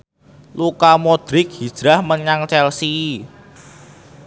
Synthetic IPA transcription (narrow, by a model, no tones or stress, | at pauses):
lukamod̪̥ɾɪk̚hid̥ʒ̥ɾahməɲaŋt͡ʃɛlsi